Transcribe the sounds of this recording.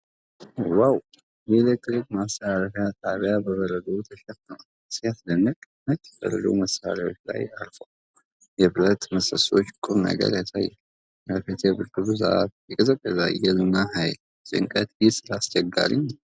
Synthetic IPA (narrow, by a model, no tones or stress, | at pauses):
waw | jelek̚t̪ɾikmasaɾəfjat̪ʼaβjabəβəɾəd̪əut̪ʰəʃɛt̪ːəma | siasd̪ənːəkʼ | mət̪ːfə̰ɾə̰d̪o̰wməsa̰ɾawo̞̰t͡ʃːla̰jaɾfəw | jɛbɨlət̪məsəso̞t͡ʃːkʼɨɾnə̰ɡə̰ɾjasajːɛl | jafet̪ʰebɨɾkɨluzaa̰t̪jɛkʼəzəkʼːəzajɛlɨnaɦajl | sʼɨ̰ŋkʼət̪jɪsɨlast͡ʃʼɛɡːa̰ɾḭɲː